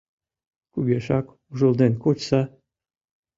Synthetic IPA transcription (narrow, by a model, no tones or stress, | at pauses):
kuɣeʃɑk | uʒəlˠd̪enkot͡ɕsɑ